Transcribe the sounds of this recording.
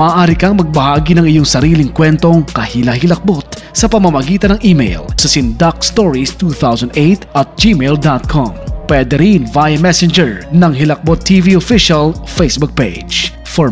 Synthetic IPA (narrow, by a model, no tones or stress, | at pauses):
mɐʔːʔaːɾikɐŋmɐɡ̚bɐhaːɡinɐŋɪjoŋsɐɾiːlɪŋkwɛnt̪o̞ŋkɐhilɐhɪlɐk̚bot̪̚ | sɐpɐmɐmɐɡiːt̪ɐnɐŋʔiːmḛjlsɐsɪnd̪ak̚st̪oɹist̪uθawsɐnd̪ʔejt̪ʔɐt̪̚d͡ʒimeld̪at̪̚kʰo̰mpwɛd̪ɛɾinvajɐmɛsɛnd͡ʒɛɹnɐŋɦɪlɐk̚bot̪ʰːiviofiʃɐlfejsbʊk̚pḛ | d͡ʒ | fɔ